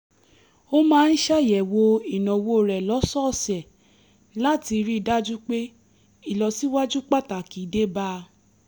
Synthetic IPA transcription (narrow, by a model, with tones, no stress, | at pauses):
o˦mãː˦˧n̩˦ʃa˦˨jɛ˨wo˧i˨nɔ̃˨wo˧˨ɾɛ˨lɔ˨˦sɔ˦˨sɛ˨ | la˦ti˧ɾi˦i˨da˦d͡ʒu˦k͡pe˦ | i˦˨lɔ˧si˦wa˦d͡ʒu˦k͡pa˦˨ta˨ki˨˦de˦ba˦